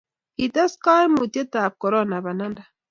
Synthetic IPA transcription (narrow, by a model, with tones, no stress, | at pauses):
i˨t̪a˦ska˦jmu˨t̪e˦t̪aː˨p̚ko˨ɾɔ˦na˨ba˨na˦nda˨